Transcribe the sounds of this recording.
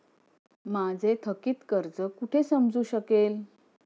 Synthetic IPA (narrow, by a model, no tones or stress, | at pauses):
mad͡zʱet̪ʰəkiːt̪kəɾd͡zəkuʈʰesəmd͡zuːɕəkel